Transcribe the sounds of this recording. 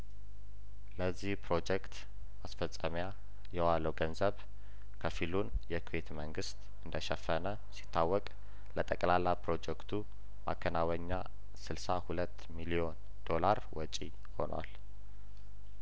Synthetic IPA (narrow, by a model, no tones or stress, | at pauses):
ləzːihpʰɾo̞d͡ʒɛkt̪ | asfəlsʼəmja | jɛwaləwɡənzəβ | kʰəfilun | jɛkʰwet̪məŋɡɨst̪ʼ | ɨnd̪əʃɛfːənə | si̥t̪ʰːawːɔkʼ | lət̪ʼəkʼlalːapɾo̞d͡ʒɛkt̪ʰu | ma̰kʰːənawəɲːa | sɨlsahulət̪ːmilio̞n | d̪̥o̞laɾwɔt͡ʃʼi | ho̞̰nwa̰l